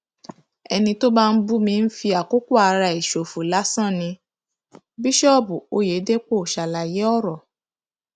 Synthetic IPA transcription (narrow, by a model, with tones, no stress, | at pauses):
ɛ˧nĩ˧to˦ba˦n̩˦bu˦mĩ˧n̩˦fi˧a˨ko˦ko˦a˧ɾa˧i˨ʃo˨fu˨la˨˦sã˦˨nĩ˧ | bi˦ʃɔ˦˨bu˨o˦je˨˦de˦k͡po˦˨ʃa˨la˨je˨˦ɔ˦ɾɔ˨